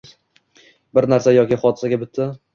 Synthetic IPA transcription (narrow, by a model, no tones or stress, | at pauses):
bɪɾnaɾsajɒkʲɪχɒd̪ɪ̥saɡʲabɪt̪ʰːɪ